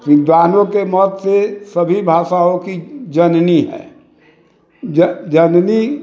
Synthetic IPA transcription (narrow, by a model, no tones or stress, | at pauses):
ʋɪd̪ʋaːnõkemɔːt̪sesəbʱibʱaːʃaõkid͡ʒənniɦɛ̰ː | d͡ʒd͡ʒənni